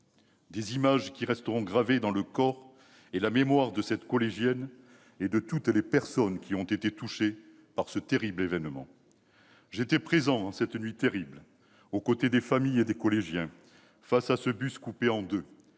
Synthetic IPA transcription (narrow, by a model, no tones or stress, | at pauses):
d̪ezimaʒkʲiʁɛst̪əʁɔ̃ɡʁaved̪ɑ̃ləkɔʁ | elamemwaʁd̪əsɛt̪kɔleʒjɛn | ed̪ət̪ut̪lepɛʁsɔnkʲʰiɔ̃t̪et̪et̪uʃe | paʁsət̪eʁiblevɛnmɑ̰̃ | ʒet̪ɛpχezɑ̃ɑ̃sɛt̪nɥit̪eʁibl | okot̪ed̪efamijed̪ekɔleʒjɛ̃ | fasasəbyskupeɑ̃d̪ø